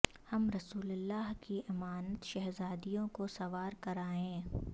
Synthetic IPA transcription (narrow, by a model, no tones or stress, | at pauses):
hɐmɾɐsuːləlːaːɦkiʔɪmaːnət̪ʃɐɦzaːd̪ijõkosɐʋaːɾkɐɾaːẽː